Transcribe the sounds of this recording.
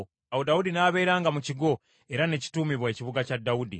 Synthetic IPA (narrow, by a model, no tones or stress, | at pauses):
awodaudinaːβe̞ːɾaːŋɡamuciɡo̞ | e̞ɾane̞ci̥tuːmiβweciβuɡacadːaudḭ